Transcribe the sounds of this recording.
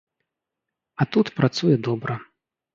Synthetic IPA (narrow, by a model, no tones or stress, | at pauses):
ɐt̪ut̪pɾʔat̪sujɛd̪ɔbɾɐ